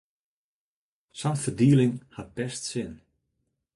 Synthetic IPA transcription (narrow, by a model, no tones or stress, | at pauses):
samfədiːlɪŋhat̚bɛstsɪn